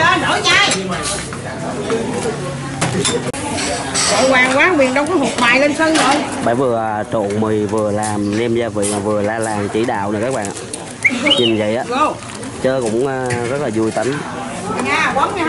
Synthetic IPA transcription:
ɔ˧nəː˧˨˩ɲaː˧˨˧ | ko̰˧˨kwaː˨˩ŋkwaː˨˦vḭ˨˩nɗə˧wkɔ˨˦hʊ˨˩t̚maː˨˩jle˧nsə˧nə˧˩jɓaː˧˩vɨ˨˩ət͡ɕo̰˧˨nmɨ˨˩əjvɨ˨˩əlaː˨˩mnɛ˧mzaː˧vḭ˧˨maː˨˩vɨ˨˩əlaː˧laː˨˩ŋt͡ɕi˧˩˦ɗa̰ː˧˨wnəː˨˩kaː˦˥k̚ɓa̰ː˧˨nʔaː˧˨˩ | ɲï˨˩ŋzə̰˧˨ʔaː˧˦o˧˩ | t͡ɕəː˧kʊ̰˧˥ŋ͡mːzə˦˥t̚laː˨˩zu˧jt̪a˨˦ŋ˨ | ɲaː˨˩ka˨˦nɲaː˧

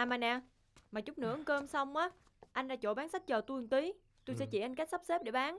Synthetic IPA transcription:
ʔaː˨˩maː˨˩nɛ˨˩ | maː˨˩t͡ɕʊ˦˥k͡p̚nɨ̰˧˥˨kəː˧msa˧wŋ͡mʔaː˨˦ | ʔa˧jŋ̟ɗa̰ː˧˥t͡ɕo̰˧˩ɓaː˨˦nsa˦˥k̟̚t͡ɕəː˨˩t̪u˧əŋt̪i˨˦ | t̪o˧jsɛ̰˧˥t͡ɕḭ˧˩ʔa˧jŋ̟ka˦˥k̚sa˦˥p̚se˦˥p̚ɗe˧˩ɓaː˨˦n

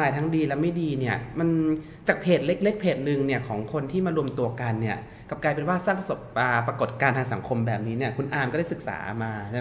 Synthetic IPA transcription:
aː˧˩jt̪ʰa˦˥ŋdiː˧lɛ˦˥ma˥˩jdiː˧ni˥˩ɐma˧n | t͡ɕaː˨˩k̚pʰeː˨˩t̪̚le˦˥k̚le˦˥k̚pʰeː˨˩t̪̚nɯ˧ŋni˥˩ɐkʰɔː˩˦ŋkʰo˧nt̪ʰiː˥˩maː˧ɾu˧əmt̪u˧ɐka˧nːi˥˩ɐ | ka˨˩p̚klaː˧jpe˧nwaː˥˩saː˥˩ŋpɾa˧so˨˩p̚a˨˩pɾa˧ko˨˩t̪̚kaː˧nt̪ʰaː˧ŋsa˩˦ŋkʰo˧mbɛː˨˩p̚niː˦˥ni˥˩ɐkʰu˧nʔaː˧mkːda˥˩sɯ˨˩k̚sa̰ː˩˦ʔmaː˧˥˩

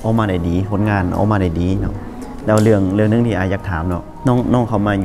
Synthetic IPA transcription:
ʔa˧˩wmaː˧da˨˩jdiː˨˦pʰo˨˦nŋaː˧˩n˧ʔa̰ː˧˩wmaː˧da˨˩jdiː˨˦nɔ̰˧˥ | lɛː˦˧˩wlɯ˧˩əŋlɯ˧˩əŋnɯ˧˥˦ŋt̪iː˧ʔaː˨˧jaː˧˩k̚t̪ʰaː˨˦mnɔ˧˩k | nɔ˧˥˩ŋnɔː˧˥˨ŋkʰa˧˩wmaː˧

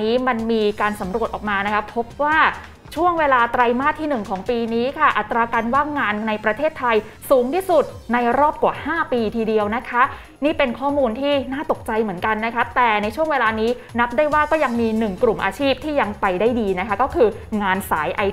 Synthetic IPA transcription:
iː˦˥ma˧nmiː˧kaː˧nsa˩˦mɾu˨˩t̪̚ʔɔː˨˩maː˧na˦˥kʰa˦˥pʰːo˦˥p̚waː˥˩ | t͡ɕʰu˥˩əŋweː˧laː˧t̪ɾa˧jmaː˥˩k̪̚ʰiː˥˩nɯ˨˩ŋkʰɔː˩˦ŋpiː˧niː˦˥kʰa˥˩ʔa˨˩t̪ːɾaː˧kaː˧nwaː˥˩ŋːaː˧nːa˧jpɾa˧t̪ʰeː˥˩t̪ʰːa˧j | suː˩˦ŋt̪ʰiː˥˩su˨˩t̪̚ | na˧jɾɔː˥˩p̚kwaː˨˩haː˥˩piː˧t̪ʰiː˧di˧əwna˦˥kʰa˦˥ | niː˥˩pe˧nkʰɔː˥˩muː˧nt̪ʰiː˥˩naː˥˩t̪o˨˩k̚t͡ɕa˧jmɯ˩˦ənka˧nːa˦˥kʰa˦˥t̪ɛː˨˩na˧jt͡ɕʰu˥˩əŋweː˧laː˧niː˦˥ | na˦˥p̚daː˥˩jwaː˥˩kɔː˥˩ja˧ŋmiː˧nɯ˨˩ŋkɾu˨˩mʔa̰ː˧t͡ɕʰiː˥˩p̚t̪ʰiː˥˩ja˧ŋpa˧jdaː˥˩jdiː˧na˦˥kʰa˦˥kɔː˥˩kʰɯː˧ŋaː˧nsa̰ː˩˦jʔa˧

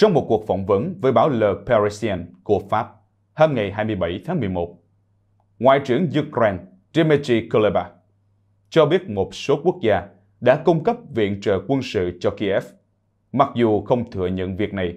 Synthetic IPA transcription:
t͡ɕɔ˧wŋ͡mmo˨˩t̚ku˨˩ək̚fɔ˧˩wŋ͡mvə˨˦nvəː˨˦jɓaː˧˩˦wləː˨˩pa˧ɹi˧si˧ɛ˧nku˧˩əfaː˦˥p̚ | haː˧mŋa˨˩jɦaː˧jmɨ˧əjɓa˧˩jt̪ʰaː˨˦ŋmɨ˨˩əjmo˨˩t̚ | ŋwa̰ː˧˨jt͡ɕɨ˧˩əŋzu˧kɛː˧n | ze˧me˧t͡ɕi˧ko˧le˧ɓa˧˥ | t͡ɕɔ˧ɓi˦˥ət̚mo˨˩t̚so˨˦ku˦˥ək̚zaː˧ | ɗa̰ː˧˥kʊ˧ŋ͡mkə˦˥p̚vḭ˧˨ənt͡ɕə̰ː˧˨˩kwə˧nsɨ̰˧˨t͡ɕɔ˧ki˧ʔɛ˦˥f | ma˨˩k̚zu˨˩xə˧wŋ͡mt̪ʰɨ̰˧˨əɲə̰˧˨nvi˨˩ək̚na˨˩j

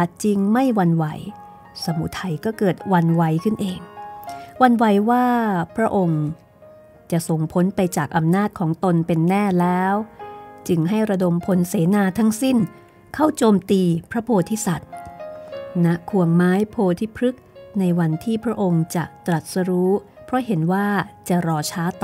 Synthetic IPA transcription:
a˨˩t̪̚t͡ɕi˧ŋma˥˩jwa˧nwa˩˦j | sa˧mu˨˦˥t̪ʰːa˧jkɔː˥˩kɤː˨˩t̪̚wa˧nwa˨˦jkʰɯ˥˩nʔeː˧ŋ | wa˧nwa˨˦jwaː˥˩pʰɾa˦˥ʔo˧ŋ | t͡ɕa˨˩ʔso˨˩ŋpʰo˦˥npa˧jt͡ɕaː˨˩k̚ʔa˧mnaː˥˩t̪̚kʰɔː˩˦ŋt̪o˧npe˧nːɛː˥˩lɛː˦˥wt͡ɕɯ˧ŋɦa˥˩jɾa˧do˧mpʰo˧nseː˩˦naː˧t̪ʰa˦˥ŋsi˥˩n | kʰa˥˩wt͡ɕoː˧mt̪iː˧pʰɾa˦˥pʰoː˧t̪ʰiː˦˥˩sa˨˩t̪̚ | na˦˥ʔkʰu˧əŋmaː˦˥jpʰoː˧t̪ʰiː˥˩pʰɾɯ˦˥k̚na˧jwa˧nt̪ʰiː˥˩pʰɾa˦˥ʔo˧ŋt͡ɕa̰˨˩t̪ɾa˨˩t̪̚sa˧ɾuː˦˥ | pʰɾɔ˦˥ɦe˩˦nwaː˥˩t͡ɕa˨˩ɾɔː˧t͡ɕʰaː˦˥t̪

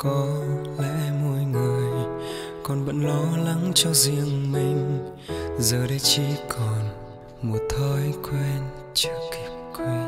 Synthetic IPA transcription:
kɔ˨˧˦lɛ̰˧˥mo˧jŋɨ˨˩əj | kɔ˨˩nɓə̰˧˥nlɔ˨˧˦la˨˦ŋt͡ɕɔ˧zi˧əŋmï˨˩ŋ̟ | zəː˨˩ɗə˧˦jt͡ɕi˧˦kʰɔ˨˩n | mu˨˩t̪ʰɔ˧˦jkwɛ˧n | t͡ɕɨ˧˦ki˨˩p̚kwɛ˧n

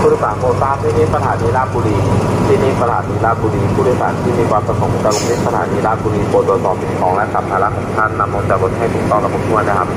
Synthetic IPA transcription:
pʰu˥˩wːsaː˨˦npoː˧˩t̪̚saː˦˥t̚ʰːiː˥˩miː˧˥˩sa˧t̪ʰaː˨˦niː˧laː˥˩kuː˧liː˧˩t̪ʰiː˥˩miː˧sa˧t̪ʰaː˩˦niː˧laː˥˩kuː˧liː˧pʰuː˥˩ɾsa̰ː˨˩˦nt̪ʰiː˥˩miː˧kwaː˧npɾa˧sʰo˩˦ŋ˦˩kaː˧lo˧˦t̪ʰi˥˩sa˧t̪ʰaː˨˩˦niː˧laː˥˩uː˧liː˧poː˨˩t̪̚du˧t̪̚sɔː˨˩mpʰi˨˩kʰɔː˨˦ŋlɛ˦˥ka˨˩p̚hʰaː˧la˦˧˥kʰɔː˨˩ŋ˧t̪ʰa˥˩nːa˧mlo˧nt͡ɕa˨˩bo˨˩t̪̚ha˥˩jt̪ʰuː˨˩k̚t̪ɔ˥˩ŋla˧bo˨˩t̚du˥˩jna˦˥˩kʰa˦˥p̚

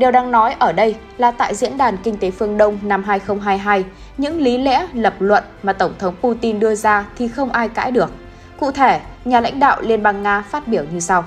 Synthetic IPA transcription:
ɗe˨˩wɗaː˧ŋnɔ˨˦jʔəː˧˩ɗə˧j | laː˨˩t̪a̰ː˧˨jzḭ˧˥ənɗaː˨˩nkï˧ŋ̟t̪e˨˦fɨ˧əŋɗə˧wŋ͡mna˧mɦaː˧jxə˧wŋ͡mɦaː˧jɦaː˧j | ɲɨ̰˧˥ŋli˨˦lɛ̰˧˥lə˨˩p̚lwə̰˧˨nmaː˨˩t̪ə˧˩wŋ͡mt̪ʰə˨˦wŋ͡mpu˧t̪i˧nɗɨ˧əzaː˧t̪ʰi˨˩xə˧wŋ͡mʔaː˧jka̰ː˧˥jɗɨ˨˩ək̚ | kṵ˧˨t̪ʰe˧˩ɲaː˨˩la̰˧˥jŋ̟ɗa̰ː˧˨wli˧ənɓaː˧ŋːaː˧faː˦˥t̚ɓi˧˩əwɲɨ˧sa˧w

